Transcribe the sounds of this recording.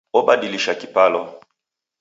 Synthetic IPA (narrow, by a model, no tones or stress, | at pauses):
ɔɓadiliʃakipalɔ